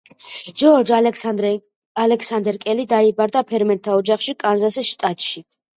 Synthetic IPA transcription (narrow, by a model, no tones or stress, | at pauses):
d͡ʒɔɾd͡ʒ | alɛksand̪ɛɾkʼɛlid̪aibaɾd̪apʰɛɾmɛnt̪ʰaɔd͡ʒaχʃikʼanzasisʃt̪ʼat̪ʼʃi